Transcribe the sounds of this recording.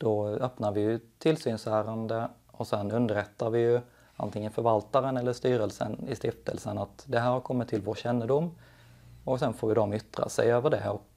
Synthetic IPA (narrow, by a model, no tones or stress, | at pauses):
d̪̥ɔœpnaɾvɪjɵt̪ʰɪlsyːnsæːɾand̪ə | ɔsɛnɵnd̪əɾɛt̪ːaɾvɪjɵ | a̰nt̪ɪŋːənfœɾvalt̪aɾənɛlːəʂt̪yːɾəlsə̰nɪst̪ɪft̪ʰə̰lsənat̪d̪ɛɦæːɾhaɾkʰɔmːɪt̪ʰːɪlvoːɕɛnːəd̪ʊmː | ɔksɛnfoːɾvɪd̪ɔmʏt̪ɾa̰sɛjøːvəɖɛɔk